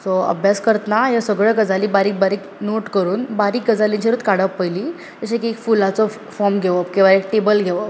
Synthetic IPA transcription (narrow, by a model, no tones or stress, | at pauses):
sɔə̰bʱjaskəɾt̪najasəɡɭəɡəd͡zaliːbaɾiːk̚baɾiːknoʈkəɾuːnbaɾiːk̚ɡəd͡zalĩt͡ɕiɾut̪kaɽəpːəjli | t̪əɕekekfulat͡sɔ | fɔɾmɡʱeʋəpkĩw̃ʋaek̚ʈebəlɡʱeʋəp